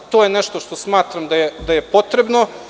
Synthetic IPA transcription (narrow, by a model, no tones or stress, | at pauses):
t̪ojeneʃt̪oʃt̪o̞smaːt̪ɾamd̪ajed̪ajepo̞t̪ɾebno